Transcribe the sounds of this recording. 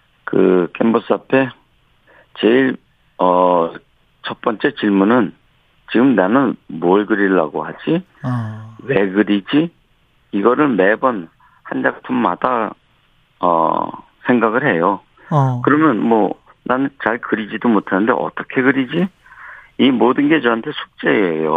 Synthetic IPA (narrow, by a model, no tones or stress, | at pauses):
kɯ̰k͈e̞mbʌs͈apʰe̞ | t͡ɕeiɭ | ʌ | t͡ɕʰʌp͈ʌnt͡ɕ͈e̞t͡ɕiɭmunɯn | t͡ɕiɡɯmnanɯnmoɭɡɯɾiɭːa̰ɡohad͡ʑi | we̞ɡɯɾid͡ʑi | iɡʌɾɯɭme̞bʌn | hand͡ʑaɡatʰommada | ʌ̰ | sʰe̞ŋɡaɡɯɭhe̞jo | kɯɾʌmjʌnmwʌ | nanɯnt͡ɕaɭkɯɾid͡ʑidomotʰanɯnde̞ʔʌ̰t͈ʌkʰe̞ɡɯɾid͡ʑi | imodɯnɡe̞t͡ɕʌɦantʰe̞sʰu̥k̚t͡ɕ͈e̞ejo̰